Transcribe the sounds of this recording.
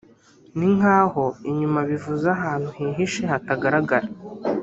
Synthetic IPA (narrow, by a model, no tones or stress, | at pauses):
niŋ̥aːho̞iɲumaβivuzaɦaːn̥huɦiːɦiʃehataɡaɾaɡaɾa